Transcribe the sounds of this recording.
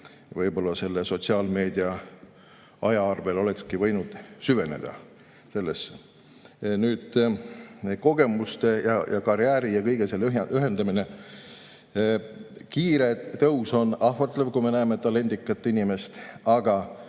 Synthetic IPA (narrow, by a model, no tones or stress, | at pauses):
vɤjbo̞lːɑse̞lːeso̞t̪siɑːlme̞ːd̪̥iɑ | ɑjɑɑrve̞lo̞le̞kskivɤjnud̪̥syve̞nḛd̪̥ɑ̰ | se̞lːesː | nyːd̪̥ | ko̞ɡ̥e̞must̪e̞jɑjɑkɑɾjæːɾijɑkɤjɡ̥eselːyɦyɦe̞nd̪̥ɑmine̞ | kiːɾe̞t̪ɤwso̞nɑɦvɑt̪ˑlevkujme̞næemet̪ːˑɑle̞nd̪ikːˑɑt̪ːˑinime̞st̪ɑɡ̥ɑ